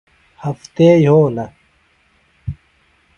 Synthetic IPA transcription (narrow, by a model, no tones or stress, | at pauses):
hɐft̪eːjɦoːnɐ